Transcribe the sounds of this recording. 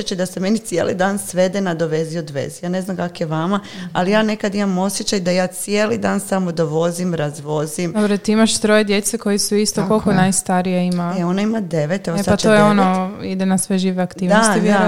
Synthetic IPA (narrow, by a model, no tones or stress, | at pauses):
jet͡ʃajd̪aseme̞nit̪sije̞̰lḭd̪aːnsʋe̞d̪enad̪oʋeziod̪ʋe̞̰zijaːne̞znamkakjeʋamaa̰lijaːne̞kad̪imamo̞sje̞t͡ɕajd̪ajaːt̪sje̞ːlid̪aːnsamod̪oʋo̞zimɾazʋo̞zimd̪obɾot̪iimaʃt̪ɾojed̪jet̪sekojisuist̪okolkonajst̪aɾijeimaeo̞naimad̪e̞ʋet̪eʋosaat͡ʃ̪ojeonoid̪enasʋeʒiːʋeakt̪iːʋd̪nost̪iʋa